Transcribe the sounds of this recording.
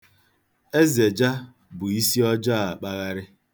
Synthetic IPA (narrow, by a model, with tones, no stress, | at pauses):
e˦ze˨d͡ʒa˦ | bʊ˨i˦si˦ɔ˦d͡ʒɔ˦a˨a˨k͡pa˦ɣa˦ɾɪ˦